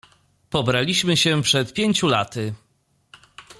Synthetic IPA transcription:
pɔbɾalʲiɕmɘɕɛpʂɛt̪̚pʲjeɲt͡ɕulat̪ɘ

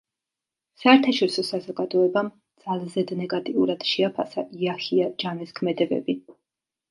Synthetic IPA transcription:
saɛɾt̪ʰaʃɔɾisɔsazɔɡad̪ɔɛbam | d̪z̥alˠzɛd̪nɛɡat̪ʼiuɾad̪̥ʃɛapʰasaʔiahiad͡ʒamɛskʰmɛd̪ɛbɛ̰bi

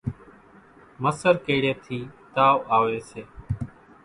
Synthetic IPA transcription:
məsəɾkeːɪɽeːt̪ʰiːt̪aːʋaːʋeːseː

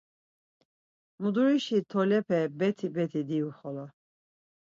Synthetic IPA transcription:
mud̪uɾiʃit̪ʰɔlɛpʰɛbɛt̪ʰibɛt̪ʰid̪iuχɔlɔ

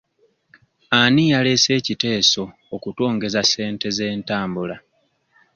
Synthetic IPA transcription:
anijale̞se̞ːcite̞ːso̞ːkuto̞ːŋɡe̞zase̞ːnte̞ze̞ːntaːmbula

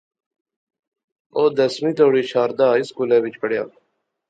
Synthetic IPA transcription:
oːd̪əsmiːt̪oːɽiːɕaːɾd̪aːɪskuːleːbit͡ʃpʰəɽja̰ː

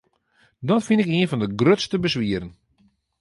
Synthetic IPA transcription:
dɔtfɪnɪkiənfɔndəɡrøtstəbəsʋiəɾən

